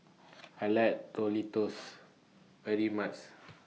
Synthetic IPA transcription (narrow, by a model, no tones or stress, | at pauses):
ajlat̚tɔlitos | vɛɹimat͡ʃ